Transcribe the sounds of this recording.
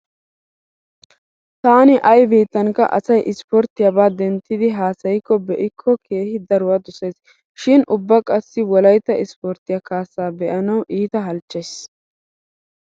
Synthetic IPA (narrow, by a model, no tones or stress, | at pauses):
t̪aːnɪʔɐjbiːt̪ːɐŋkɐ̰ʔɐ̰sɐjʔɪspɔɾt̪ɪjɐbaːd̪ɛnt̪ːɪd̪ɪɦaːsɐjɪkːɔbɛʔɪkʰːɔkʰe̞ːhɪd̪ɐɾʊwaːd̪ʊseːs | ʃɪnʔʊbːɐkʼɐsːɪwɔlɐjt̪ːɐɪspɔɾt̪ɪjɐkaːsːaːbɛʔɐnɐwʔiːt̪ɐɦɐlt͡ʃːes